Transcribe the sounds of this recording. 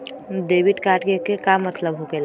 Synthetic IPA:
ɖeːʋɪʈkaːɾʈkekekamːət̪ləbɦokela

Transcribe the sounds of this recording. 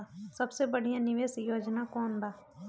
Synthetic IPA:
səbsebəɽ̤ijãnɪʋeːsjoːd͡ʒnakɔːnɾaː

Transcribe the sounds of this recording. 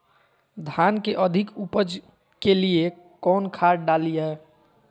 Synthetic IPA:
d̪ʱankeʔəd̪ʱikupəd͡ʒ | kelie | kɔːnkʰaɾɖalijɛ

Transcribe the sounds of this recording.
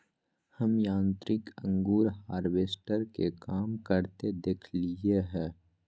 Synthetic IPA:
hɐmjãːnt̪ɾɪkə̃ŋɡuːɾhaːɾʋeːsʈəɾkekaːmkəɾt̪ed̪eːkʰlieɦɛ̃ː

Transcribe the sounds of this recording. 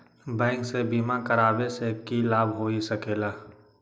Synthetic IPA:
bɛ̃ːŋksebiːmakɐɾaːbesekilaːbʱɦoːisɐkeːlaː

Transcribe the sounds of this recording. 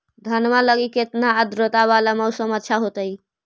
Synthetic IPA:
d̪ʱənmaləɡiket̪naəd̪ɾot̪aβalaməusəmət̪ːʃʰaɦot̪əj

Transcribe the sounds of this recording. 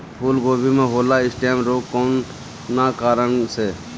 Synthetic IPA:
pʰuːlɡoːbiːmẽːɦoːlaːɪsʈeːmɾoːkoːnː | aːkaːɾəɳseː

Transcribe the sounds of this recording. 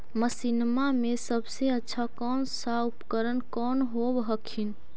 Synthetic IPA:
məsinmamesəbseətːʃʰakɔnsaupkəɾənkɔnɦobɦəkʰin

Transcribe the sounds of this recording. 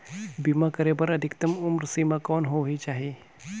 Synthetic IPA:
bimakəɾebəɾəd̪ʱikt̪əmumɾsimakɔnɦoʋit͡ʃaːɦi

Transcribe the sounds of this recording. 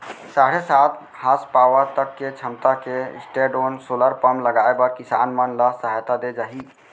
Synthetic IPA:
saːɽesaːt̪ʰ | haspaːʋəɾt̪əkːet͡ʃʰəmt̪akeɪ̰sʈeːɖoːnsoːləɾpəmləɡaːebəɾkɪsa̰ːnmənlasəɦaːjt̪ad̪ed͡ʒaːɦiː

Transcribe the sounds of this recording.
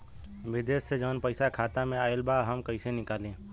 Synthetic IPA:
ʋɪd̪eːsːed͡ʒəʋnpəɪsakʰaːt̪amẽaːɪlbaːɦɐmkɐisenɪkaːlẽː

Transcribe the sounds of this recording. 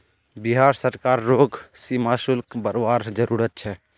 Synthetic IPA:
biɦaɾsəɾkaɾːoɡsimasulkbəɾaɾd͡ʒəɾuɾət̪̚t͡ʃʰɛ

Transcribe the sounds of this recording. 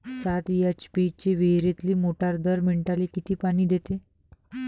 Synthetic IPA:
sat̪jat͡ɕpit͡ɕeʋeɦɾet̪liːmoʈaɾd̪əɾmeɳʈalikit̪iːpaɽ̃iːd̪et̪e

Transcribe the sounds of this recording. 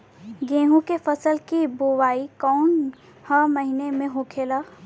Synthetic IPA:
ɡẽːɦũkefəsəlkibowaːikɔːn | həməɦinemẽɦoːkʰeːla

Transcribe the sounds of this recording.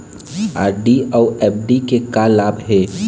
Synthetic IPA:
aːɾɖiɔːɾɛːp̚ʰɖikekalaːbɦɛ

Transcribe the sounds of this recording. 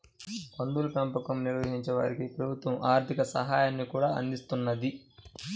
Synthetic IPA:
pɐnd̪ulupɐmpɐkɐmniɾʋɐɦiɲt͡ʃɛʋa̰ːɾikipɾɐbʱut̪ʋɐmʔaːɾt̪ʰikɐsɐ̰ɦaːjaːnːikuːɽaːɐ̰nd̪ist̪unːɐd̪i

